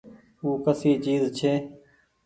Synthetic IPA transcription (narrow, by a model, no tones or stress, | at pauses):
uːkəsiːt͡ʃiːzt͡ʃʰeː